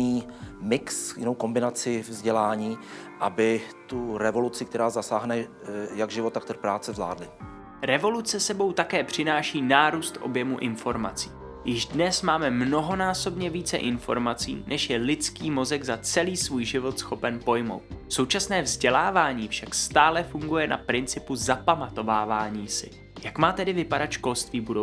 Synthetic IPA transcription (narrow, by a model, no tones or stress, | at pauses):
iː | mɪksjɪnowko̞mbɪnat͡sɪvzɟɛlaːɲiː | ʔabɪt̪uɾɛvo̞lut͡sɪkt̪ɛɾaːzasaːɦnɛ | jaɡʒɪvot̪ːak̚t̪ərpɾaːt͡sɛvzla̰ːdlɪ | ɾɛvo̞lut͡sɛsɛbo̞wt̪akɛːpr̝̥ɪnaːʃiːnaːɾuːst̪ʔo̞̰bjɛmuʔɪnfo̞ɾma̰t͡si̥ː | jɪʒdnɛsmaːmɛmno̞ɦo̞naːso̞bɲɛviːt͡sɛ̰ʔɪnfo̞̰ɾmat͡sḭːnʔɛʃjɛlɪt͡skiːmo̞zɛɡzat͡sɛliːsvuːjʒɪvo̞t̪sxo̞pɛnpo̞jmo̞̰wt̪̚so̞wt͡ʃasnɛːvzɟɛlaːvaːɲiːfʃakst̪aːlɛfuŋɡujɛna̰pɾɪnt͡sɪpuzapamat̪o̞vaːvaːɲiːsɪ̰ | jakmaːt̪ɛdɪvɪpadat̪ʃko̞lst̪viːbudo